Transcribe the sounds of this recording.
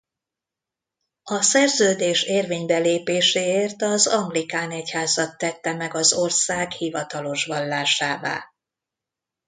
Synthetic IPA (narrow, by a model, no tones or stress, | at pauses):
ɒsɛrzøːd̪eːʃeːrveːɲbɛleːpeːʃeːeːrt̪ɒzɒŋɡlikaːnɛchaːzɒt̪ːɛt̪ːɛmɛɡɒzo̞rsaːkhivɒt̪ɒlo̞ʃʋɒlːaːʃaːva̰ː